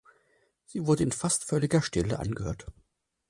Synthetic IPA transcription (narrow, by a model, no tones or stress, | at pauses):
z̥iːvʊɐdəɪnfastfœlɪɡɐʃtɪləʔa̰nɡəhø̰ːɐt